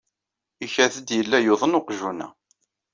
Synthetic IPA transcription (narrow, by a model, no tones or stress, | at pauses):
içæθəd̪jəlːæjoðˤənoqʒunæ̰